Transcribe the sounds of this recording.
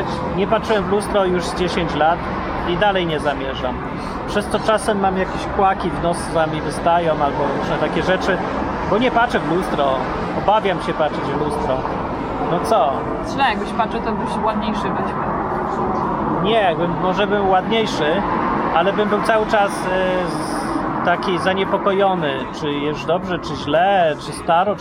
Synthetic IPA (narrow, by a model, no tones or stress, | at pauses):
t͡ɕ | ɲɛpatʂɘwɛmvlust̪ɾɔjuʐd͡ʑeɕeɲt͡ɕlat̪ | id̪alɛjɲɛzamʲjɛʐam | pʂɛst̪ɔt͡ʂasɛmːamjakʲeɕkwakʲivnɔsvamʲivɘst̪ajɔ̃w̃albɔɾuʂnɛt̪akʲɛʐɛt͡ʂɘ | bɔɲɛpat͡ʂɛvlust̪ɾɔ | ɔbavʲjamɕɛpat͡ʂɛd͡ʑvlust̪ɾɔ | nɔt̪sɔ | zlɛjaɡbɘɕpat͡ʂɛt̪ɔbɘɕwad̪ɲejʂɘbɘɕmɛ | ɲɛjaɡbɘmːɔʐɛbɘmwad̪ɲejʂɘʔalɛbɘmbɘwt̪sawɘt͡ʂas | t̪akʲizaɲɛpɔkɔjɔnɘt͡ʂɘjɛd̪ɔbʐɛt͡ʂɘʑlɛt͡ʂɘst̪aɾɔ